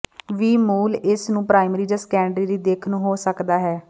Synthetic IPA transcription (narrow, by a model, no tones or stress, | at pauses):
ʋiːmuːlɪsnũːpɾaːɪmɾiːd͡ʒaːskɛːɳɖɾiːɾiːd̪eːkʰnũːɦoːsəkd̪aːɦɛː